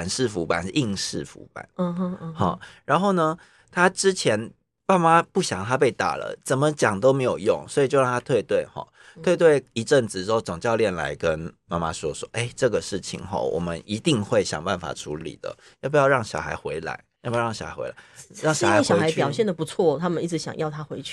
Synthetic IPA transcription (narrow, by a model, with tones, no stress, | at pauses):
a˨˩nʂɻ̩˥˩fu˧˥pa̰˨n̩˧i˥˧ŋʂɻ̩˥˩fṵ˧˥pa̰˨˦n˧hɔ̰˨˩ɻa˧˦nxo˥˩ʊnə˩ | t̪ʰa˥ʈ͡ʂɻ̩˦t͡ɕʰjɛ˧˦˥n | pa˥˩ma˦pu˥˩ɕjɑ̰˨˩ŋt̪ʰa˦p̬e˥˩ɪt̪a̰˨˩lə̰˦t͡sə˨˩nmə˦t͡ɕjɑ˨˩ŋt̪o˥ʊme˧˥ɪjo˨˩ʊjʊ˥˨ŋswɔ˧˥i˨˩t͡ɕjo˥˧ʊɻɑ˥˨ŋ˩t̪ʰa˥t̪ʰwe˥˧ɪt̪we˥˩ɪxɔ̰˨˩ | t̪ʰwe˥˧ɪt̪̬we˥˩ɪi˧˥ʈ͡ʂə˥˩nt͡s̩˨˩˧o˥˩ʊt͡sʊ˨˩ŋt͡ɕjɑ˥˧ʊljɛ˥˩nla̰˧˥ɪkə˦nma˥˩ma̰˦ʂwɔ˦˥ʂwɔ˦ʔe˥˩ɪʈ͡ʂɤ˥˩ɡə˩ʂɻ̩˥˩t͡ɕʰḭ˨˩ŋxɔ̰˨˩wʔɔ̰˨˩mə˦ni˧˥t̪i˥˧ŋxwe˥˩ɪɕjɑ̰˨˩ŋbpa˥˩nfa̰˨˩ʈ͡ʂʰṵ˧˦˥lḭ˨˩d̪ə̰˦ | jo˥˩p̬u˧˦jɑ˥˧ʊɻɑ˥˩ŋɕjɑ̰˨˩ʊxa˧˥ɪxwe˧˥ɪla̰˧˥ɪjpu˧˥˧ɑ˥˩ɕɑ̰˨˩xa̰˨˦xwḛ˧˥la̰˨˧˦ɪɻɑ˥˩ŋɕxa˥˧˥ŋɕjɑ˨˧˥xa˧˥ɪpjɑ˨ʊɕjɛ˥˩nd̪ə˩pu˧˥t͡sʰwɔ˥˩t̪ʰa˥mə˨ni˥˩ʈ͡ʂɻ̩˧˥ɕjɑ̰˨ŋjɑ˥˩ʊt̪ʰa˥xwe˧˥˦ɪt͡ɕʰy˥˩